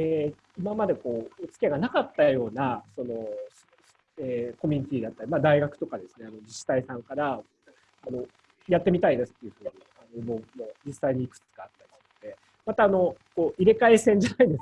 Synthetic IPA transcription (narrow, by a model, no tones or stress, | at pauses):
eː | imamad̪e̞ko̞ːot͡sɨ̥kʲiaɡanakat̪ːajo̞ːnaso̞no̞ | eːko̞mʲiɲ̟it̪ʲiːd̪at̪ːaɾʲimad̪aiɡakɯ̟̥t̪o̞kad̪e̞sɨ̥ne̞ano̞d͡ʑiɕi̥t̪aisãŋkaɾa | ano̞ | jat̪ːe̞mʲit̪aid̪e̞sɨ̥t̪ːeɯ̟ɸɯ̟ːɲianomoːmoːd͡ʑisːaiɲ̟iːkɯ̟̥t͡sɨ̥ɡaːt̪ːaɾʲisʲd̪e̞ | mat̪aːno̞ko̞ːʔiɾe̞kaesẽɲ̟d͡ʑanaid̪e̞sa